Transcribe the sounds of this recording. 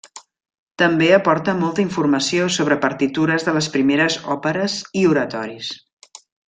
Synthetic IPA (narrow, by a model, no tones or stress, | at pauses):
t̪əmbeəpɔɾt̪əmɔlˠt̪əiɱfurməsiosoβɾəpəɾt̪it̪uɾəzðələspɾimeɾəzɔpəɾəziuɾət̪ɔɾis